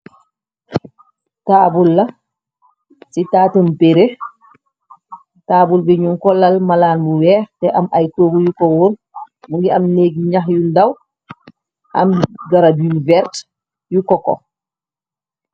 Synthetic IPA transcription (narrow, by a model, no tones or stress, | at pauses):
taːbulːa | sitaːtumpeɾe | taːbulbɛɲuŋkɔlalmalaːnmuwɛːɾtɛʔamʔajkoːɡujukɔwuɾ | muŋɡiamneːɡiɲaxjundaw | ʔa̰mɡaɾabivɛɾt | jukɔkɔ̰